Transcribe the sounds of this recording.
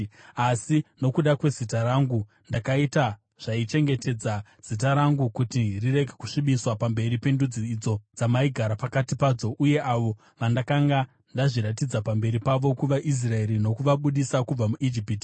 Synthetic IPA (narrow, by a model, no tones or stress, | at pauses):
asino̞kuɗakwe̞zitaɾaːŋɡu | ndakaita | ʐ̥ait͡ʃe̞ŋɡe̞te̞d͡zaz̥it̬aɾaŋɡukutirire̞ɡʱeku̥ʂiɓiswapambe̞ɾipe̞ndud͡ziːd͡zo̞d͡zamaiɡʱaɾapakatipaːd͡zo̞ʔuje̞ʔaʋo̞ | ʋandakaŋɡa | ndaʐiɾatid͡zapambe̞ɾipaʋo̞kuʋaʔis̬rae̞ɾino̞kuʋaɓuɗisakub͡vamuʔid͡ʒipiːti̥